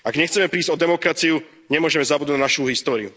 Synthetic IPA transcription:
aɡɲɛxt͡sɛmɛpɾiːzɟɔd̪ɛmɔkɾat͡siu | ɲɛmʊɔʒɛmɛzabud̪anaʃuːɦist̪ɔːɾḭu

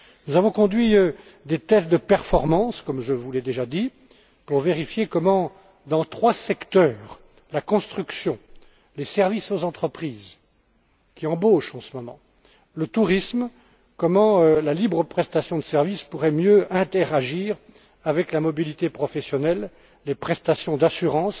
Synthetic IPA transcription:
nuzavɔ̃kɔ̃d̪ɥiø | d̪et̪ɛsd̪əpɛʁfɔʁmɑ̃skɔmʒəvulɛd̪eʒad̪i | puʁveʁifjekɔmɑ̃ | d̪ɑ̃t̪χwasɛkt̪œːʁ | lakɔ̃st̪χyksjɔ̃ | lesɛʁvisozɑ̃t̪χəpχiːz | kʲiɑ̃boʃɑ̃səmɔmɑ̰̃ | lət̪uʁism | kɔmɑ̃lalibʁəpχɛst̪asjɔ̃d̪əsɛʁvispuʁɛmjøɛ̃t̪ɛʁaʒiːʁ | avɛklamɔbilit̪epχɔfɛsjɔnɛlː | epχɛst̪asjɔ̃d̪asyʁɑ̃s

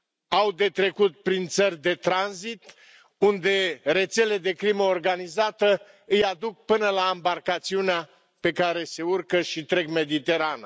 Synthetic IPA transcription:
awd̪e̞t̪ɾe̞kut̪̚pɾint̪sərʲd̪e̞t̪ɾanzit̪ | und̪e̞ɾe̞t̪se̞le̞d̪e̞kɾiməorɡanizat̪ə | ɨjad̪uk̚pɨnəlaːmbarkat̪siunea | pe̞kaɾe̞se̞urkəʃit̪ɾe̞ɡme̞d̪it̪e̞ɾana

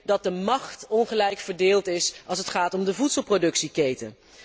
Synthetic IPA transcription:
dɑt̚dəmɑχtɔnχəlɛjkfəɹdeːlˠtɪsɑlˠs̬ətχaːtɔmdəvutsəlˠprodɵksikejtə̰n

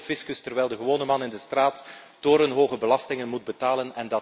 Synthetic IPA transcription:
fɪskəstərʋɛjlˠdəɣəʋoːnəmɑnɪndəstraːtː | doːɾənɦoːɣəbəlɑstɪŋənmud̚bətaːlənɛndɑ

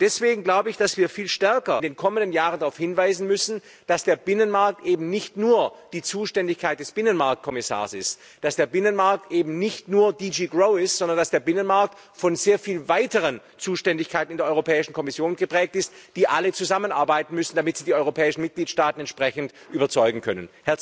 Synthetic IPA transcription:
d̥ɛsv̥eːɡŋ̩ɡlaʊbəɪçd̥asv̥iːɐfiːlʃtɛɐkɐndeːnkʰɔməndənjaːʁəndaʁaʊfhɪnvaɪzn̩mʏsn̩ | d̥asd̥eːɐbɪnənmaɐk̚tʔeːbm̩nɪçtnuːɐd̥iːt͡suːʃtɛndɪçkʰaɪt̚d̥ɛsb̥ɪnənmaɐk̚t̚kʰɔmɪsa̰ːɐsɪ̰st | d̥asd̥eːɐbɪnənmaɐk̚tʔeːbm̩nɪçtnuːɐdid͡ʒiːɡʁoʊɪstz̥ɔndɐ̃nd̥asd̥eːɐbɪnənmaɐk̚t | fɔnzeːɐfiːlvaɪtəʁən | t͡suːʃtɛndɪçkʰaɪtn̩ɪndːɐʔɔʏʁopʰɛːɪʃn̩kʰɔmɪsjoːnɡ̥əpʁ̥ɛːk̚tɪstd̥iːʔalət͡suzamənʔa̰ɐbaɪtn̩mʏsn̩d̥amɪtz̥iːdiːɔʏʁopʰɛːɪʃn̩mɪt̚ɡ̥liːtʃtaːtn̩ɛntʃpʁ̥ɛçn̩t | ʔyːbɐt͡sɔʏɡŋ̩kʰœ̰nə̰nhɛɐ

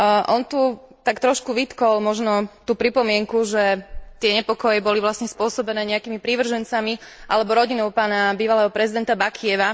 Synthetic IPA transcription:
ʔɔnt̪u | t̪akt̪ɾɔʃkuʋit̪kɔlmɔʒnɔt̪uːpɾipɔmɪɛŋkuʒɛt̪ɪɛɲɛpɔkɔjɛbɔliʋlasɲɛspʊɔsɔbɛnɛːɲɛakiːmipɾiʋr̩ʒɛnt͡samiʔa̰lɛbɔɾɔɟinɔʊpaːnabiːʋalɛːɦɔpɾɛzid̪ɛnt̪abakʰiɛʋa

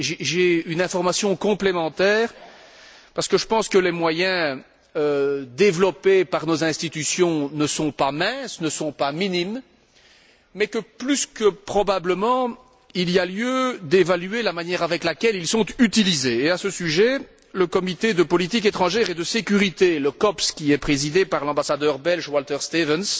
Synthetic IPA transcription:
ʒeʒeynɛ̃fɔʁmasjɔ̃kɔ̃plemɑ̃t̪ɛːʁ | paʁsə̥kəʒəpɑ̃skəlemwajɛ̃ | ød̪evlɔpepaʁnozɛ̃st̪it̪ysjɔ̃nəsɔ̃pamɛ̃snəsɔ̃paminim | ɛkəplyskəpχɔbabləmɑ̃ | ilialjød̪evalyelamanjɛʁavɛklakʲɛlilsɔ̃t̪yt̪ilizeːasəsyʒɛ | ləkɔmit̪ed̪əpɔlit̪ik̬et̪χɑ̃ʒɛʁed̪əsekʲyʁit̪eləkɔpskʲiɛpχezid̪epaʁlɑ̃basad̪œʁbɛlʒwalt̪ɛʁst̪evəns

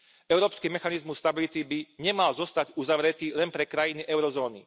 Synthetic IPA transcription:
ʔɛʊɾɔːpskiːmɛxanizmusːt̪abilit̪ibiɲɛmalzɔst̪aɟuzaʋɾɛt̪iːlɛnpɾɛkɾajiniʔɛʊɾɔzɔːnḭ

